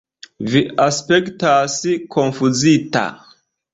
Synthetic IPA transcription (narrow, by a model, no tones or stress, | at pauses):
viaspektasikʰonfuzita̰